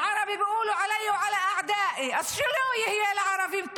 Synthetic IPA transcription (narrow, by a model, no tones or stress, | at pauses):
ʕɑɾˤɑbibɪʔuːlʊʕalajːwʕalaʔaʕd̪aːʔiʔasːʊlujhɪjːalʕɑɾˤɑbimt̪